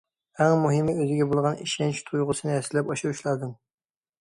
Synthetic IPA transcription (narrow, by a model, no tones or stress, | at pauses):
æŋmuɦɪmɪøzɪɡʲɛbolˠʁɑnḭʃɛnt͡ʃt̪ʰujʁʊsɨnɨɛsɪlːɛpɑʃɨɾuʃlˠɑd̪ɨm